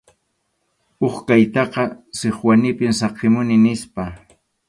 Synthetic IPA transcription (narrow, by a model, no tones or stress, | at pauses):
oχkajt̪ɑqɑsɪχwanɪpɪmsɑqɪmʊnɪnɪspa